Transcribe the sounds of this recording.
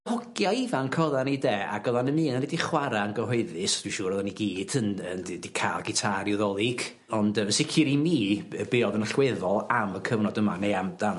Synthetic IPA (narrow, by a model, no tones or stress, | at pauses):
hɔɡjaivankʰɔðanideːa̰ɡɔðanəmɨːnanɛdiχwaɾaənɡɔɦoɨðɨsd̥wiʃuːɾɔðaniɡiːd̥ənənddikʰaːlˠɡɪtʰaɾjɔðɔlˠɪɡ̥ | ɔndəəsɪkʰiɾimiːəbeːɔdənəɬwɛðɔlˠaməkʰəvnɔdəmanejamdan